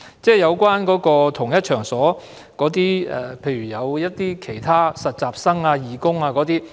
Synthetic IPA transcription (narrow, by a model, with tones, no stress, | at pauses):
t͡sɛː˥˩jɐ˨˧wkʷwaː˥nkɔː˨˥kɔː˧t̪ʰʊ˨˩ŋjɐ˥t̚t͡ʃʰœː˨˩ŋsɔː˨˥ | kɔː˨˥t̪̬iː˥ɛ̰˨pʰe˧jɥyː˨˩jɐ˨˧wjɐ˥t̚t̪iː˥kʰe˨˩jt̪ʰaː˥sɐ˨t̚t͡saː˨p̚sɐ˥ŋaː˧jiː˨˧kʊ˥ŋaː˧kɔː˨˥t̪iː˥